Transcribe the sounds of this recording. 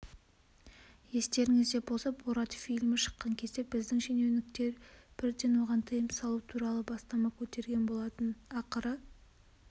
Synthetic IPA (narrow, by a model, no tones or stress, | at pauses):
je̞st̪e̞ɾɪŋɪzd̪e̞bolˠsɑpoɾɑt̪fijlʲmɪʃə̥qːɑŋkʲʰe̞zd̪e̞bɪzd̪ɪŋʃenewnɪk̚t̪e̞ɾb̥ɪɾd̪e̞nwo̞ʁɑnt̪ʰɨjɪmsɑlˠut̪ʰuɾɑlˠəbɑst̪ɑmɑkʲʰɵt̪e̞ɾɡʲe̞nbo̞lˠɑt̪ənɑqəɾə